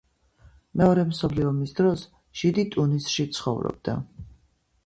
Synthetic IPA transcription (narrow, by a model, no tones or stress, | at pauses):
mɛɔɾɛmsɔpʰliɔmisd̪ɾɔs | ʒ̥id̪it̪ʼunisʃit̪sʰχɔvɾɔ̰b̥̚d̪a̰